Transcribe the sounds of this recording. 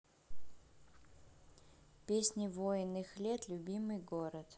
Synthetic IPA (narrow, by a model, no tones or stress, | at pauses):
pʲesʲnʲɪvojɪnːɨxlʲet̪lʲʊbʲimɨjɡoɾət̪